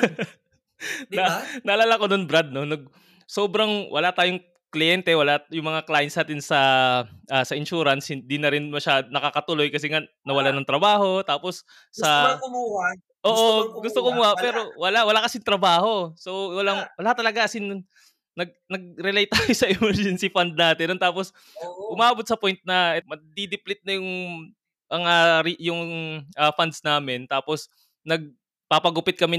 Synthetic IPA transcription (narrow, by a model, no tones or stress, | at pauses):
ɐnɐʔɐlaːlakononbɾad̪̚no̞nɐɡ̚ | soːbɾɐŋwʔɐ̰lat̪aːjoŋ | klɪjɛnt̪ɛwɐlajʊŋmɐŋaklaːjɪnsnaːt̪ɪnsɐʔaːsɐɪnʃuːɾɐnshɪnd̪inɐɾɪnmɐʃaːd̪onɐkakɐt̪ʊlo̞jkɐsɪŋa | nɐwɐlanɐŋt̪ɾɐbaːho̞t̪aːposː | ɐ | ʔoːʔʔoɡʊst̪okomʊapɛːɾo̞wɐlawɐlakɐsɪnt̪ɾɐbaːho̞so̞wwɐlaŋwɐlat̪ɐlɐɡaʔɐsɪn | nɐɡ̚nɐɡ̚ɾɛlejt̪aːjosɐʔɪmɛɹd͡ʒɛnsifɐnd̪̚naːt̪ɪnont̪aːpos | ʔʊmaːbot̪̚sɐpojnt̪̚nɐʔɛmɐd̪id̪ɪplɪt̪̚nɐjʊŋ | ʔɐŋaɾijʊŋʔɐfand̪̚snaːmɪnt̪aːpos | nɐɡ̚ | papɐɡʊpɪt̪̚kɐmɪ